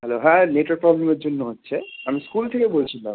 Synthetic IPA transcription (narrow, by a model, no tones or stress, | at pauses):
ɦɛloɦɛ̃neʈoɾpɾɔblemeɾd͡ʑonːoɦotːɕʰeamiskult̪ʰekebolt͡ɕʰilam